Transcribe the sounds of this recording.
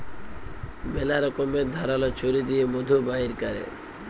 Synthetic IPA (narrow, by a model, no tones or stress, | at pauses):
melaɾɔkomeɾd̪ʱaɾalɔt͡ɕʰoɾid̪ijemod̪ʱubaɦiɾkaɾḛ